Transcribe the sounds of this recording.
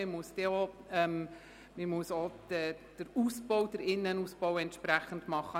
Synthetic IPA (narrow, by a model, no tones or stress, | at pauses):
ɪmuəsd̥̪eɔ | ɛm | mɪmuəsodɛ | d̥əɾusbɔwd̥̪əɾɪnːənuspɔwɛnt̪ʃpɾæχənd̥̪mɑχːə